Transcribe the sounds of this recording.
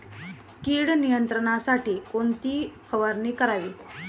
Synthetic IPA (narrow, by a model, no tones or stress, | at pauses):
kiːɽnijənt̪ɾəɳ̃asaʈiːkoɳt̪iːpʰəʋaɾniːkəɾaʋiː